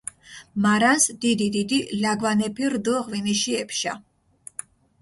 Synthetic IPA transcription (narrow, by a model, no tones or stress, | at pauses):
maɾansd̪̥id̪id̪id̪ilaɡvanɛpʰiɾd̪ɔʁviniʃiɛpʰʃa̰